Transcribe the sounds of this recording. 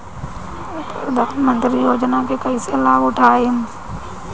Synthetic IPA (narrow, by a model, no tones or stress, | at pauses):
pd̪akmə̃nt̪ɾijoːd͡ʒnakekɐiselaːɡʊʈʰaːem